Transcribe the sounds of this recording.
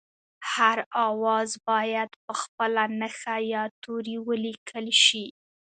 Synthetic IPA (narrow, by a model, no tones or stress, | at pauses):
haɾɑwɑzbɑjad̪pəxpəlanəxajɑt̪oɾiwəlikʰəlʃi